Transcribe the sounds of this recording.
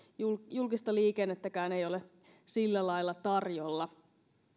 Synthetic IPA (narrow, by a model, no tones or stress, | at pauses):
ujulkist̪ɑliːkenːet̪ːækæːne̞jo̞le | silːælɑilːˑɑt̪ɑrjolːɑ